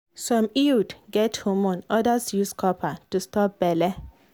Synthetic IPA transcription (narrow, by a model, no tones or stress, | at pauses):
sɔ̃mildɡɛthumɔ̃nɔdasjuskʰɔpʰatustɔp̚b̥ɛlɛ